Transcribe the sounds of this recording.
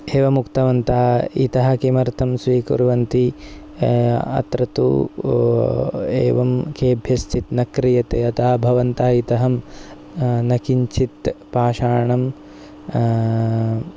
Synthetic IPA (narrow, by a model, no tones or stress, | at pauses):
eːʋɐmukt̪ɐʋɐnt̪aːḭt̪ɐɦɐ̆kimɐɾt̪ʰɐmsʋiːkṵɾʋɐnt̪i | ɐ̰t̪ɾɐt̪ṵ | ḛːʋɐmkeːbʱjɐst͡ʃʰit̪nɐkɾijɐt̪eɐt̪ɐːɐbʱɐʋɐnt̪aːit̪ɐɦɐm | nɐkiɲt͡ʃit̪paːʃaːɳɐm